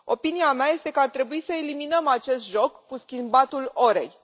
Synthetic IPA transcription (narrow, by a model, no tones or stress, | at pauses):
o̞̰piniameaje̞st̪e̞kəart̪ɾe̞buisəe̞liminəmat͡ʃe̞st̪ʒo̞kːuskʲimbat̪ulo̞ɾe̞̰j